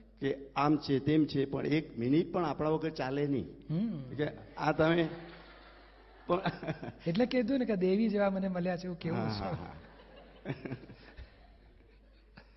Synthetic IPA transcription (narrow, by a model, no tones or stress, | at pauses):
keamt͡ʃʰet̪emt͡ʃʰepə̰ɳekminiʈ̚pəɳapɽ̃aʋəɡət̪t͡ʃalenḭ̃ɦkeãt̪əme | pəɳeʈleked̪ũneked̪eʋid͡ʒeʋaməneməljat͡ʃʰeũkeʋɦuãt͡ʃɦũɦa̰